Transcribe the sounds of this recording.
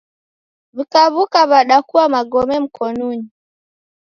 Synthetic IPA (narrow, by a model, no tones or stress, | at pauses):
βikaβukaβaɗakuwamaɡɔmɛm̩kʰɔnuɲi